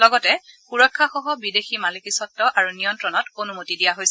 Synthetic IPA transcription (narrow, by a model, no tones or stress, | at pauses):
lɔɡɔtɛxuɹɔkʰːaxɔɦɔbideximalikisɔtːɔʔaɹunijɔntɹɔnɔtonumotidijaɦojsɛ